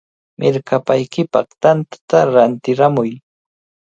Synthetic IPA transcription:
mʔɪɾkapajkɪpɑ̰χt̪ant̪ḁt̪aɾant̪ɪɾamʊj

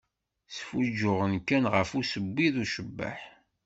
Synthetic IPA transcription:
sfud͡ʒːʊʁənkːænʁəfusəbːiðuʃəbːə̰ħ

